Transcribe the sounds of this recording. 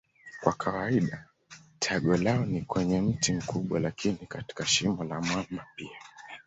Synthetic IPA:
kwakʰawaiɗa | tʰaɠɔlaɔnikwɛɲɛm̩tim̩kʰuɓwalakʰinikati̥kaʃimɔlamwamapia

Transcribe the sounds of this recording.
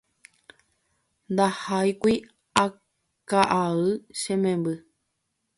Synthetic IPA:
nd̪ahajkʷi | a | kaʔaʋɨʃẽmẽmbɨ

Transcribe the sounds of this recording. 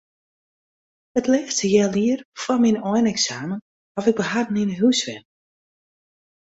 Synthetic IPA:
ətlɛːstəjɛːlˠiərfɔminɔjnɛksaːmən | hɔfɪɡ̚bəɦadəninəɦusʋɛn

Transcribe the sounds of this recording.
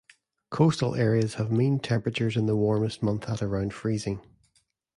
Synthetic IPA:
kʰostəl̩ˠɛɹiəz̥əvmẽntʰɛ̃mpɹət͡ʃə˞zɪ̃nðəwɔɹməst̚mʌ̃nθəʔə˞ãʊ̃nd̥fɹizɪ̃ŋ

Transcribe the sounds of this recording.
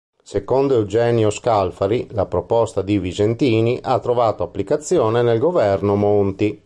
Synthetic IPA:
sekond̪oewd͡ʒɛːnjoskalfaɾilapɾopɔst̪ad̪ivid͡ʒent̪iːniʔat̪ːɾovaːt̪oapːlikat̪sːjɔːnenelɡovɛrnomont̪i

